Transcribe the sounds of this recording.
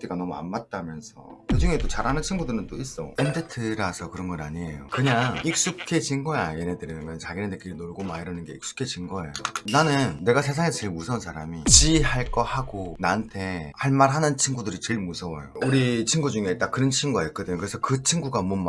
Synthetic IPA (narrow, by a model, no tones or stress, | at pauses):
t͈iɡanʌmua̰nmat̚t͈amjʌnsʰʌ̰kɯd͡ʑuŋet͈ot͡ɕaɾhanɯnt͡ɕʰinɡudɯɾɯnt͈ois͈ʌ̰endetʰɯɾasʰʌkɯɾʌnɡʌɾa̰ɲie̞jokɯɲaŋik̚s͈ukʰe̞d͡ʑinɡʌjajenedɯɾʌmjʌnt͡ɕaɡinenek͈iɾinoɭɡomaiɾʌnɯnɡe̞ik̚s͈u̥kʰe̞d͡ʑinɡʌḛjoonanɯnːe̞ɡasʰe̞s̬ʰaŋe̞sʰʌt͡ɕeɭmusʰʌnsʰaɾamit͡ɕiɦaɭk͈ʌhaɡonantʰe̞haɭmaɾɦanɯnt͡ɕʰinɡudɯɾit͡ɕeɭmusʰʌwʌjouɾit͡ɕʰinɡud͡ʑuŋet͈akɯɾʌnt͡ɕʰinɡuajk͈ɯdɯɲokɯɾesʰʌkɯt͡ɕʰinɡuɡamʌm